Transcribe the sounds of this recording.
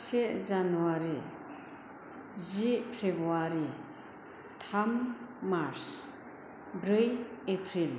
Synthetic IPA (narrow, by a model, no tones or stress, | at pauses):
sezanuwaɾi | zipʰɾebuaɾi | t̪ʰamːaɾs | bɾɯjepʰɾil